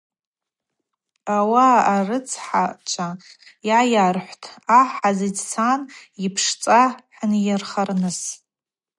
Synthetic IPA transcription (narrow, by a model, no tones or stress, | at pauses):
awaːrɨt͡sʰħat͡ʃʷʰajajarħʷtʰaħazidsʰanipʰʂt͡sʼaħnjarχarnɨs